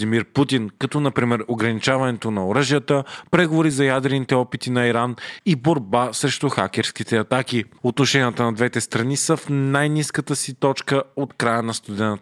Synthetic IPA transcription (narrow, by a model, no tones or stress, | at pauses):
imiɾput̪inkɐt̪ɔnɐpɾimɛɾoɡɾɐnit͡ʃavɐnɛt̪onɐoɾəʒijət̪əpɾɛɡovoɾizɐjad̪ɾɛnit̪ɛɔpit̪inɐiɾaniboɾbasɾɛʃt̪oxa̰kʲɛɾskit̪ɛɐt̪ak̟iot̪noʃɛnʲiət̪ənɐd̪vɛt̪ɛst̪ɾɐnisəfnajniskət̪əsit̪ɔt͡ʃkəot̪kɾajənɐst̪ud̪ɛnt̪